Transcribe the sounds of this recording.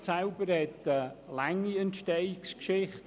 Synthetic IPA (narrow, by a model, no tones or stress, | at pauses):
sɛlbəɾhɛtəlaŋːiəntʃtɛjɪkskʃɪχt